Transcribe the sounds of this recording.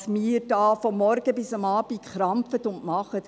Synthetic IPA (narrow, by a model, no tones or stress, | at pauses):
smiːɾd̥ɑːfɔmːɔɾɡ̥əbɪsamɑːb̥iχɾɑmpfət̪ʊntmɑχət